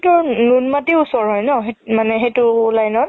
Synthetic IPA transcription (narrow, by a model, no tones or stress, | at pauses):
tʊɹnunmatiusɔɹɦɔjnɔɦemanɛɦejtʊlajnɔt̚